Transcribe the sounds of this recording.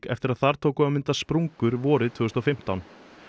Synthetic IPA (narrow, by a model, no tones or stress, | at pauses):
kɛ̰ft̪ɪɾaðθaɾ̥t̪ʰoːwkʏamɪnt̪aspɾuŋkʏɾvɔːɾɪðt̪ʰvʏːɣʏst̪ɔfɪm̥t̪awn